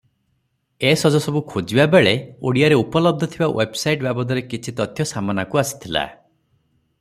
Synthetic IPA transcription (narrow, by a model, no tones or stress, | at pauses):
esɔd͡ʒɔsɔbukʰod͡ʒibabeɭeo̰ɽijaɾeupɔlɔb̚d̪ʱɔt̪ʰibawʔebsajʈbjabɔd̪ʱɔɾekit͡ʃʰit̪ɔt̪ʰjɔsamanakuasi̥t̪ʰila̰